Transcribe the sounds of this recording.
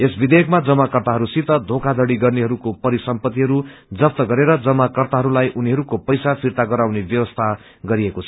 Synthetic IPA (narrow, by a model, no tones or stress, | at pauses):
esbid̪ekmad͡zʌmːakʌrt̪aɦʌɾusit̪ʌd̪ʱokad̪ʱʌɽiɡʌrneɦʌɾukopʌɾisʌmpʌt̪ːiɦʌɾud͡zʌp̚t̪ʌɡʌɾeɾʌd͡zʌmːakʌrt̪aɦʌɾulajʔuniɦʌɾukopʌjsapʰirt̪aɡʌɾawnebjʌwʌst̪ʰa | ɡʌɾiekot͡sʰʌ̥